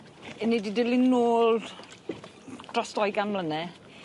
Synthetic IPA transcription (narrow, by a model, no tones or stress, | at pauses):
ɪnididɪlˠɪnnoːlˠ | d̥rɔsd̥ɔjɡanmlənɛ